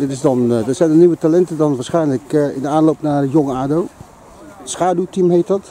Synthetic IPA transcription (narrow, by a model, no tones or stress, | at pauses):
dɪtɪzdɑndəsɛjndəniʋətalɛntədɔnʋaːɹsχɛjnələkɪ̰ndəaːnlowpnaːrjɔŋaːdow | sχaːdutimɦejt̚dɑt